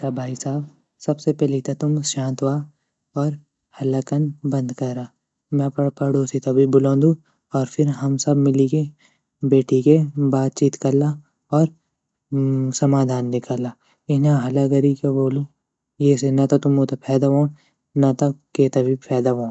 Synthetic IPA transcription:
kabʱaːisaːb | sɐbsepɛːlit̪ɐt̪ʊmʃãːnt̪ʋaː | ɔːɾ | hɐlakɐnbɐ̃nd̪kɐɾaː | mɛ̃ppɐɽoːsit̪obʱibʊlõːnd̪u | ɔːɾpʰɪɾɦɐmsɐbmɪlike | beːʈikebaːt̪̚t͡ʃiːt̪kɐla | ɔːɾ | sɐmaːd̪ʱaːnːɪkaːlaː | ɪnãɦɐlaɡɐɾikeboːlũ | jeːsenɐt̪ot̪ʊmot̪apʰɛːd̪aʋõː | nɐt̪okeːt̪ɐbʱipʰɛːd̪aʋõː

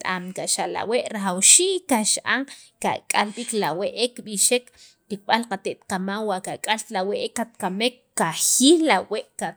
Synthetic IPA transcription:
t̪ʼamkaʔʃala̰weʔɾaxawʃiːkaʃʔa̰ŋka̰kʼalɓiklaweʔekɓiʃek | tik̚ɓalqat̪eʔt̪qamawwaʔkakʼalt̪laweʔekːat̪̚kamekː | axiːllaweʔkat̪

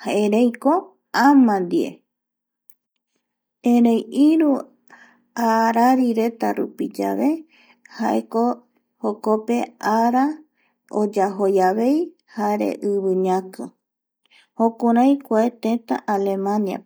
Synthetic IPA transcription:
haʔeɾejko | ãmãnd̪iḛ | ẽɾẽjiɾu | aɾaɾiɾe̞t̪aɾupid͡ʒa̰βe̞ | ha̰eko | hoko̞pe̞aɾa | o̰d͡ʒaɦo̞jaβe̞j | haɾḛʔɨβɨɲãkɨ | hõkũɾãjkʷaet̪ẽt̪a̰ʔale̞mãnia̰

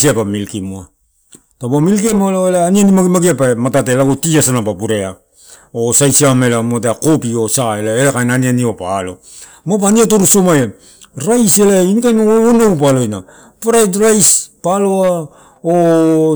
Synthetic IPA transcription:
siapamilkimua | tabamilkemoloelaːnianimaɡimaɡiapamatat̬elaɡotiasanapapuɾe̞a | osajsiamelamoat̬eakopio̞saelaelakajnanianiopalo̞̰ | mop̬aniatoɾusumaja | ɾajselainikajmaoonowp̬alojna | puɾajtɾajspaloa | o

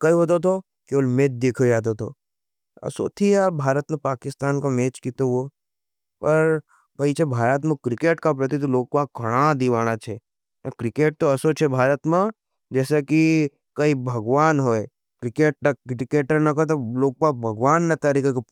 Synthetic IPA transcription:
kɐiɦoːt̪̬ot̪ʰo | kiolmeːt̪̚d̪eːkʰod͡ʒaːt̪̬ot̪ʰo | ɐ̰so̰t̪ʰiaːbʱaːɾət̪mẽpaːkɪst̪aːnkomeːt͡ʃkiːt̪oʋo | pɐɾ | kɐit͡ʃʰebʱaːɾət̪mẽkɾɪkeːʈkap̬ɾɐt̪it̪iloːɡ̚kaɡʱɐɽ̃ad̪iʋaːɽ̃at͡ʃʰe | kɾɪkeːʈ̚t̪oɐsot͡ʃʰebʱaːɾət̪mẽ | d͡ʒɛːseki | kɐibʱɐɡʋaːnɦoːe | kɾɪkeːʈ̚ɐɾɪkeːʈəɾnɐkɐt̪̬oloːɡ̚kabʱɐɡʋaːnːɐt̪ɐɾiːkeko

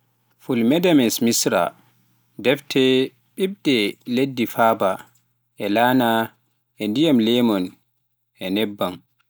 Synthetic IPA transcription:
fulmɛdamɛnsmisɾa̰ | dɛftʰɛ | ɓib̚dɛledːifaːba | ʔɛlaːna | ʔɛndijamlɛmɔn | ʔɛnɛbːan

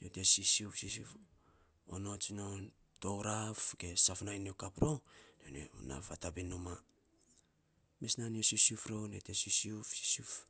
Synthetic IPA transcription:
notesisiufsisuf | o̰not͡ʃnon | towɾafɡe̞safnajniokapɾonenḛna̰fatabinuma | miesnaniosusufɾonetesisiufsi̥suf

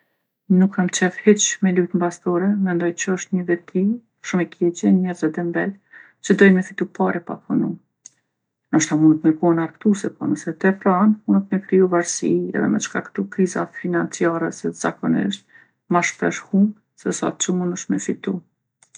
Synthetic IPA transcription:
nukʰːamt͡ʃɛfhɛt͡ʃmɛlut̪mbast̪ɔɾɛmɛnd̪ɔjt͡ɕəəʃt̪ɲəvɛt̪ʰi | ʃumɛkʰɛt͡ʃɛɲɛɾzɛd̪ɛmbɛl | t͡ʃəd̪ɔjmɛfit̪upaɾɛpa̰pʰɔnu | nəʃt̪amunət̪mɛkɔnaɾkt̪usɛpɔ̰nəsɛt̪ɛfɾanmunət̪̚mɛkɾiuvaɾsiɛ̰ðɛ̰mɛ̰t͡ʃkakt̪ukɾiza̰finant͡siaɾɛsɛz̥akɔnḭʃt̪̚ | maʃpɾɛ̰ʃhum | sɛsa̰t͡ʃumunəʃmɛfit̪u

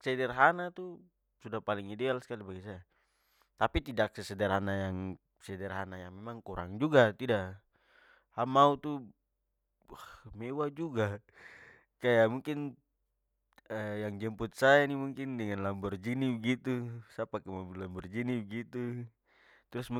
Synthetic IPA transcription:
sɛdɛrɦanat̪u | sudahpaliŋidɛalsə̥kalibaɡisaja | t̪apit̪idak̚sɛsɛdɛrɦanajaŋ | sɛdɛrɦanajaŋmɛmaŋkuɾʔa̰ŋd͡ʒuɡat̪idaʔ | hamaut̪u | amɛwad͡ʒuɡa | kajamuŋkɪn | əjaŋd͡ʒɛmput̪̚sajanimuŋkɪndəŋanlambɔrd͡ʒinibəɡit̪usapakɛmambilambɔrd͡ʒinibəɡit̪u | t̪ɾʊsm

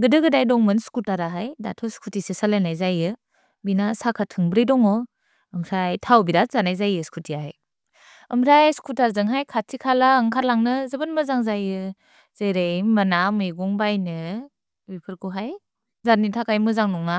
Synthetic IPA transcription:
ɡɯdɯɡɯdajdɔŋmɯnskutaɾaɦajda̰tʰɔskʰutisesalajnajzajɯ | binasakʰatʰɯŋbɾijdɔŋɔ | ɯŋsajtʰawbiɾazanajzajɯskʰutiaaj | ɯmɾajskʰutaɾzɯŋɦajkʰatʰikʰalaːŋkʰaɾlaŋnɯzɯbɯnmɯzaŋzajɯ | z̥ejɾejmanamɯjɡɔŋbajnɯ | bipʰɯɾkuɦaj | zanitʰakʰajmɯzaŋnɔŋna

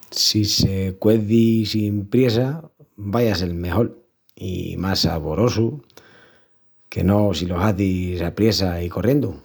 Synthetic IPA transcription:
sisekwe̞θisimpɾje̞sa | bajase̞lme̞ho̞l | ḭmasa̰βo̞ɾo̞su | ke̞̰no̞silo̞saθisapɾje̞saiko̞rje̞nd̪u

